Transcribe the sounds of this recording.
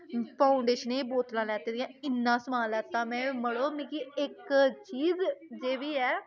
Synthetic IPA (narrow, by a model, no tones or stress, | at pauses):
paːʊɳɖeːʃəneːboːt̪lãːlɛːt̪eːd̪ijãːɪnːãːsəmaːlɛːt̪ãːmɛ̃ːməɽoːmĩkiɪkt͡ʃiːzd͡ʒeːʋiːɛː